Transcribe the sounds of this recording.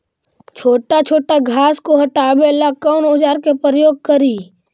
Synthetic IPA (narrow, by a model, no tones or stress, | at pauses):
t͡ʃʰoːʈat͡ʃʰoːʈaɡʱaːskoɦəʈaːbelakɔːnʊd͡ʒaːɾkepɾəjoːɡ̚kəɾiː